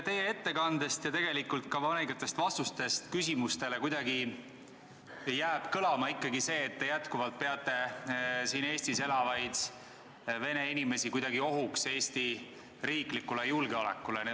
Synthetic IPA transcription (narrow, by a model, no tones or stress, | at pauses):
t̪e̞jee̞t̪ːe̞kɑnd̪̥e̞st̪jɑt̪e̞ɡe̞likult̪̚kɑvɑnekɑt̪ːˑe̞st̪vɑst̪ust̪e̞st̪kysimust̪e̞le̞kujd̪ɑɡi | jæːb̥kɤlɑmɑikːˑɑɡise̞ːt̪ːe̞jæt̪kuvɑlt̪̚pe̞ɑt̪ːˑe̞siːne̞ːst̪ise̞lɑvɑjd̪̥ | ve̞ne̞inime̞sikujd̪ɑɡ̥io̞ɦukse̞ːst̪i | ɾiːklikːule̞julɡeolḛkːˑulen